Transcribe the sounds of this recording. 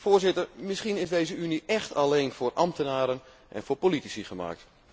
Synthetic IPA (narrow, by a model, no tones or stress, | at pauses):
foːzɪtərmɪsχinɪzdejzəyniʔɛxtʰalejnfʊːrʔɑmtənaːɾən | ʔɛ̰nfoːɹpolitisiχəma̰ːk̚t